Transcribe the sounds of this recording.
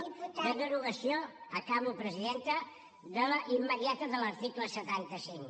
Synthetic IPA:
əðəɾuɣəsioəkaβupɾəziðent̪ə | ðələʔimːəðiat̪əðələɾt̪ikləsət̪ant̪əsiŋ

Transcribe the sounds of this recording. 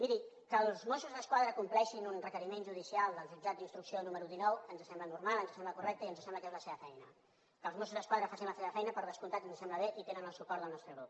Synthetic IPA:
miɾi | kəlˠzmosuzðəskwaðɾəkumplɛʃinunrəkəɾimenʒuð̞isialˠd̪əlzid͡ʒad͡zd̪inst̪ɾuksionuməɾuðinɔwənzəsɛmblənuɾmalˠənzəsɛmbləkurɛk̚t̪əiənzəsɛmbləkezləseβəfɛjnə | kəlzmos̬uzðəskwaðɾəfasinləseβəfɛjnəpəɾðəskunt̪anzəsɛmbləβ̞eʔit̪enənəlˠsukɔɾðəlˠnɔst̪ɾəɣɾup

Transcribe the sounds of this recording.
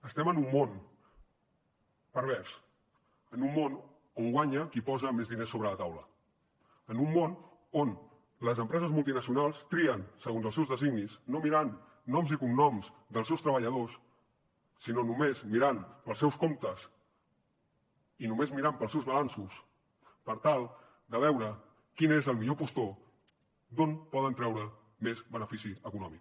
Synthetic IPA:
əst̪ɛmənumːon | pəɾβ̞ɛɾs | ənumːon | oŋɡwaɲəkipɔzəmezðinesːoβɾələt̪awlə | ənumːon | on | ləzəmpɾɛzəzmulˠt̪̬inəsiunalˠst̪ɾiənsəɣonzəlˠsɛwzðəziɡnisnomiɾanː | ɔmzikunnɔmzd̪əlˠs̬ɛwst̪ɾəβəʎəðosː | inonumezmiɾanpəlˠsɛwskomt̪əs | inumezmiɾampəlˠsɛwzβəlansus | pəɾt̪alˠ | d̪əβ̞ɛwɾə | kinezəlˠmiʎopust̪o | d̪onpɔðənt̪ɾɛwɾə | mezβənəfisiəkunɔmik

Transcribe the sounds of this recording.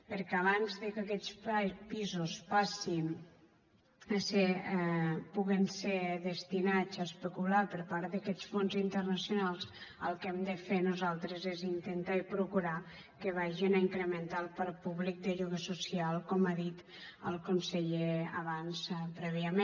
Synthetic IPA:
pəɾkɛəβanzðəkəkɛt͡sppizuspasin | əse | puɣinseðəst̪inad͡zaspəkulapəɾpaɾt̪d̪əkɛt͡sfonzint̪ərnəsjunalˠzəlˠkɛmd̪əfenuzalˠt̪ɾəzezint̪ent̪aipɾukuɾa | kəβ̞aʒinaiŋkɾəmənt̪alˠpalpuβlik̚d̪əʎuɣəsusialˠkɔmaðit̪ | əlˠkunseʎeəβanspɾɛβiəme

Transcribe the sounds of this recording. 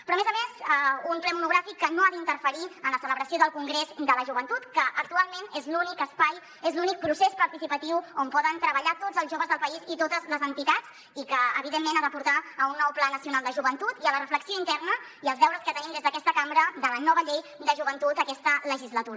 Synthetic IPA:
pɾɔəmezəmezumplɛmunuɣ̞ɾafikːənoaðint̪ərfəɾiənləsələβɾəsioðəlˠkuŋɡɾezd̪ələʒuβənt̪ut̪kəʔək̚t̪ualˠmenezlunikəspaj | ezlunik̚pɾusespəɾt̪isipət̪iwompɔðənt̪ɾəβəʎat̪od͡zəlˠzʒoβəzðəlˠpəizit̪ot̪əzləzənt̪it̪at͡s | ikəəβiðemːenaðəpuɾt̪aəunːɔwplanəsiunalˠd̪əʒuβənt̪ut̪iələrəfləksioint̪ɛrnə | iəlˠzβɛwɾəskət̪ənimd̪ezðəkɛst̪əkambɾəðələnɔβəʎejd̪əʒuβənt̪ut̪əkɛst̪ələʒizlət̪uɾə

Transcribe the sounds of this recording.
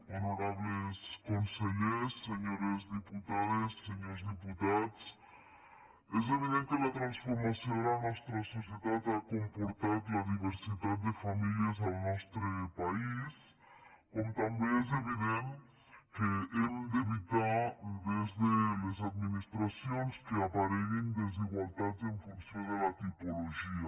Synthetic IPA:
onoɾaβleskõnseʎesːeɲoɾɐzðiput̪aðɐsseɲoɾzðiput̪aðuʃ | ezeviðẽnt̪kɛlɐt̪ɾɐ̃sfoɾmɐsɐ̃anɔst̪ɾɐsosjeðaðakõmpoɾt̪aplɐðiveɾsiðaðd̪ɨfɐmiljɐzawnɔʃt̪ɾɨpais | komut̪ãmbẽj̃ɛzeβiðẽnt̪ | keemd̪eβit̪ad̪ezðelezaðminist̪ɾasjõnskɪapaɾɛɾẽnd̪eziɣwalˠd̪ad̪zẽɱfũnsjõnd̪elɐt̪ipoloʒiɐ

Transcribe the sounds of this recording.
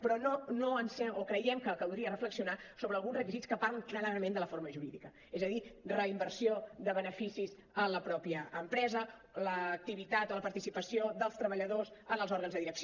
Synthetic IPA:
pɾɔnonoənsɛokɾəjɛmkəkəwˠd̪ɾiərəfləksiunasoβəːlˠɣunzrəkizit͡skəparləŋklaɾaɾəmẽnd̪ələfoɾməʒuɾiðikə | ɛzəðirəimbəɾsioðəβənəfisiz | ələpɾɔpjəːmpɾɛzə | ləːk̚t̪iβit̪at̪oləpəɾt̪isipəsioðəlˠst̪ɾəβəʎəðozənəlˠzɔɾɣənzðəðiɾəks

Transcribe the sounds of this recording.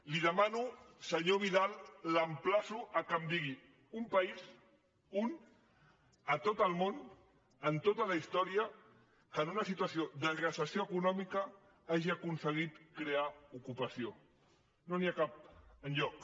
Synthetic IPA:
liðəmanusəɲoβiðalˠːəmplasuʔəkəmd̪iɣi | umpəiz | un | ət̪ot̪əlˠmon | ənt̪ot̪ələist̪ɔɾiə | kənunəsit̪uəsiod̪əɣɾəsəsjoəkunɔmikə | aʒiəkunsəɣ̞it̪kɾeaukupəsio | noniakap̚ənʎɔk

